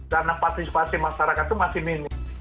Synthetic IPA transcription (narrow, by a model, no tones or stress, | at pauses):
karnapasispasɪmaʃaɾakat̪ːumasɪhminɪ